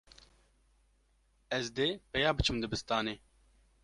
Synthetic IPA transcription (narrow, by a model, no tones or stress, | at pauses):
ɛzd̪eːpɛjaːbɨt͡ʃʰɨmd̪ɨbɨst̪ɑːneː